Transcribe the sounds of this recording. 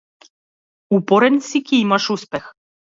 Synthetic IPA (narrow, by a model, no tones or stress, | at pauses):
upoɾɛnsikiimɑʃuspɛx